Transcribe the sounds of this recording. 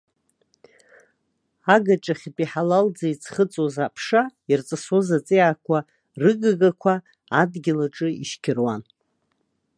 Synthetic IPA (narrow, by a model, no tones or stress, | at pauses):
aɡaʈ͡ʂʼaχʲpʼiħalald͡zait͡sʰχət͡sʼozapʰʂairt͡sʼasozat͡sʼeʕakʷʰa | rɨɡaɡakʷʰaː | dɡʲɪlaʈ͡ʂʼɨḭʃkʲʰɪrwan